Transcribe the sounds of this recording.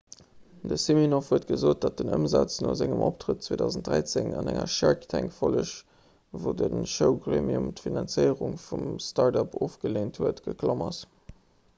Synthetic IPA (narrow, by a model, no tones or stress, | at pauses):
dəsiminofhuətɡ̥əzoːt̚d̥ɑt̚dənəmzɑt͡snoːzɪŋəmʔoptʁət̚t͡sweːdɑʊzən̩t̚dʁæɪt͡seŋɑnæŋɐʃæɹktʰæŋkfoləʃ | voːdənʃəʊɡʁeːmiumtfinɑnt͡səɪəʁuŋfumstɑɹdɑpʰoːfɡ̥əleːnthuətɡ̥əkʰlomɑs